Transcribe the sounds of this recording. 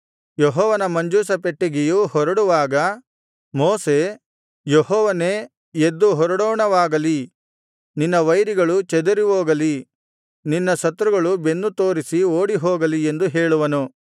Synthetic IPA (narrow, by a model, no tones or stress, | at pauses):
jeɦɔːʋɐnɐmɐɲd͡ʒuːsɐpeʈːeɡejuhɔɾɐɽuʋaːɡɐ | moːse̞ | jeɦɔːʋɐneː | ed̪ːuɦɔɾɐɽɔːɳɐʋaːɡɐli | ninːɐʋɐjɾiɡɐɭut͡ʃɛd̪ɐɾiʋoːɡɐli | ninːɐsɐt̪ːɾuɡɐɭubenːut̪o̞ːɾisioːɽiɦɔːɡɐlie̞nd̪uɦeːɭuʋɐnu